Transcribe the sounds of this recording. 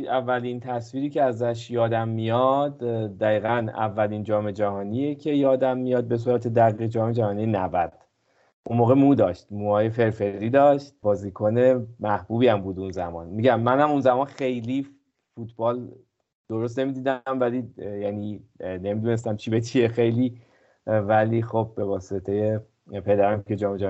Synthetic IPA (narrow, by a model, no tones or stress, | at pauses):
ævːælint̪ʰæsviːɾiːcʰeæzæʃjɒːd̪æmːijɒd̪d̪æiːɣænæ̰vːæliːnd͡ʒɒːme̞d͡ʒæhɒːnijecʰe̞jɒːd̪æmːijɒːd̪̚be̞s̬uːɾæt̪ʰed̪æɣiːɣd͡ʒɒːme̞d͡ʒæhɒːnijenævæd̪̥ | ʔunmoːɣe̞muːd̪ɒːʃt̪muːɒːje̞fe̞ɾfe̞ɾiːd̪ɒːʃt̪̚bɒːziːkʰone̞mæhb̥uːbiæmbuːd̪unzæ̰mɒ̰ːnmiɟæmːænhæmunzæmɒːnxe̞jliː | fut̪ʰb̥ɒːl | d̪̥o̞ɾos̬t̪ne̞miːd̪iːd̪æmvælijænine̞mid̪uːne̞s̬t̪æmt͡ʃʰibet͡ʃʰiexejli | væliːxob̚ːe̞vɒːset̪ʰe̞je̞ | pʰe̞d̪æɾæmcʰe̞d͡ʒɒːme̞d͡ʒæ